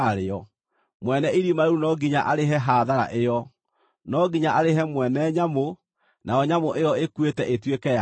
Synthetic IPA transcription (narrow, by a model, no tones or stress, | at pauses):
ɾeɔ | mwɛnɛiɾimaeɾunɔɡiɲaʔaɾeɦɛɦaðaɾa̰ʔejɔ | nɔɡiɲaʔaɾeɦɛmwɛnɛɲamo | naɔɲamoʔejɔekuetɛʔetwekɛa